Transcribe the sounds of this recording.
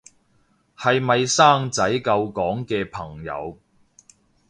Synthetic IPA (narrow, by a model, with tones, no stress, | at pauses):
hɐ˨jmɐ˨jsaː˥ŋt͡sɐ˨˥jkɐ˧wkɔː˨˥ŋkɛː˧pʰɐ˨˩ŋjɐ̰˨˧w